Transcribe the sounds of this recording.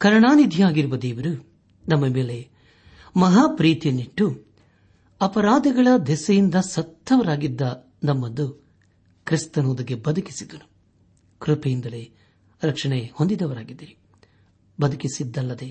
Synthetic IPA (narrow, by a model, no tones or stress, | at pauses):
kɐɾɐɳaːnid̪ʱijaːɡiɾuʋɐd̪eːʋɐɾu | nɐmːɐme̞ːle̞ | mɐɦaːpɾiːt̪jɐnːiʈːu | ɐpɐɾaːd̪ɐɡɐɭɐd̪ɛsɐjind̪ɐsɐt̪ːɐʋɐɾaːɡid̪ːɐ | nɐmːɐd̪u | kɾist̪ɐnoːd̪ɐɡebɐd̪ʱuki̥sid̪ɐnu | kɾupejind̪ɐleː | ɾɐkʂɐɳehond̪id̪ɐʋɐɾaːɡid̪ːiɾi | bɐd̪ʱukisid̪ːɐlːɐd̪e̞